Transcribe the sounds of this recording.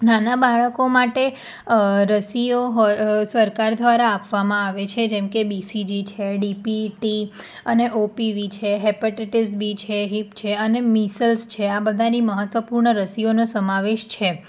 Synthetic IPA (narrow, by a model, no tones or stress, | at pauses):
nanabaɭəkomaʈe | ɾəsioɦosəɾkaɾd̪ʱʋaɾaːpʋamãaʋet͡ʃʰed͡ʒɛmkebisid͡ʒit͡ʃʰeɖipiʈi | əneʔopiʋit͡ʃʰeɦɛpəʈeʈisbit͡ʃʰeɦipt͡ʃʰeənemisəlst͡ʃʰeabəd̪ʱaniməɦət̪ʋəpuɾɳəɾəsionosəmaʋeʃt͡ʃʰe